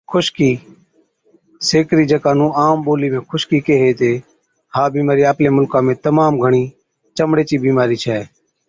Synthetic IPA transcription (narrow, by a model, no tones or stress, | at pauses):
kʰʊʃkiː | seːkɾiːd͡ʒəkãːnũːaːmɓoːliːmẽːkʰʊʃkiːkeːɦeːt̪eː | haːbiːmaːɾiːaːplẽːmʊlkãːmẽːt̪əmaːmɡʱəɳ̃iː | t͡ʃəmɽeːt͡ʃiːbiːmaːɾiːt͡ʃʰɛː